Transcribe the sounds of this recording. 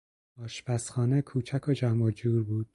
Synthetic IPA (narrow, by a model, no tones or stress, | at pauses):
ɒːʃpʰæsχxɒːnekʰuːt͡ʃʰækʰod͡ʒæmɒd͡ʒuːɾbuːd̪̥